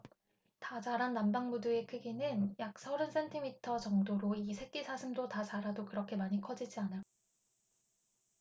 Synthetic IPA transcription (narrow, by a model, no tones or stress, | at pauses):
tat͡ɕaɾanːambaŋmudue̞kʰɯɡinɯnjak̚sʰʌɾɯns͈ʰe̞ntʰimitʰʌt͡ɕʌŋdoɾoisʰe̞k̚k͈isʰaɕʰimdotat͡ɕaɾadokɯɾʌkʰe̞maɲikʰʌd͡ʑid͡ʑiana